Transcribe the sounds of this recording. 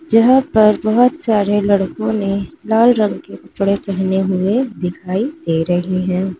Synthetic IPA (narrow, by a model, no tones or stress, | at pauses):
d͡ʒɐɦãpɐɾbɐɦʊt̪saːɾelɐɽkõnelaːlɾɐ̃ŋɡkekʊt͡ʃɽekɛɦneɦʊed̪ɪkʰaːid̪̥eːɾɐɦiɦɛ̃ː